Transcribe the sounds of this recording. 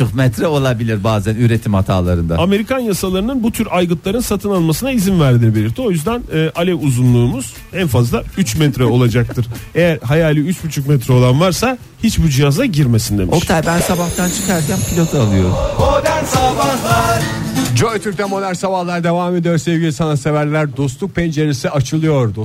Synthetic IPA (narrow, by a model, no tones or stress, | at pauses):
t͡ʃokmɛt̪ɾɛo̞lˠabilʲiɾbaːzænyɾet̪ʰimhat̪ʰa̰ːlˠa̰ɾɯnd̪aame̞ɾikʰanjasalˠaɾɯnɯnbut̪ʰyɾajɡɯnt̪lˠaɾɯnsat̪ʰɯnalˠmasɯnaizinvæɾd̪inibe̞lʲiɾt̪ʰːio̞jyzd̪ænɯːʔalʲɛuzunlˠuːmuz̥ | ænfazlˠayt͡ʃmɛt̪ɾɛo̞lˠad͡ʒak̚t̪ʰɯɾ̥ejæɾhajaːlʲiyt͡ʃbut͡ʃʰukmɛt̪ʰɾɛo̞lˠanvaɾsa | hit͡ʃbud͡ʒijazaɟiɾmesind̪emiokt̪ʰajbænsabaxt̪ʰant͡ʃʰɯ̥kaɾd͡ʒɛmpʰilʲot̪ʰɯalˠɯjo̞̰ɾ̰umod̪ansabahlˠaɾd͡ʒojt̪ʰyɾc̚t̪ʰɛmo̞d̪æɾsabahlˠaɾd̪e̞vaːme̞d̪ijoɾsevɡʲilʲisanasevæɾlʲæɾd̪o̞st̪uk̚pʰend͡ʒeɾisiʔat͡ʃʰɯlˠɯjo̞ɾd̪ʊ